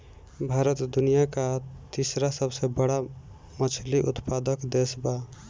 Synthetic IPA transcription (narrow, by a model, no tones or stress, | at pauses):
bʱaɾət̪d̪unijakat̪isɾasəbsebəɽa | mət͡ʃʰliʔut̪pad̪əkd̪esba